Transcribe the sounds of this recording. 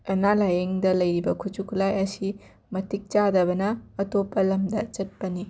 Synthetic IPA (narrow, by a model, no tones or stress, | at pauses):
ɐnalajeŋdɐlɐjɾibɐkʰut͡ʃukʰlajɐsi | mɐtik̚t͡ʃadɐbɐnɐːtopːɐlɐmdɐt͡ʃɐt̚pɐni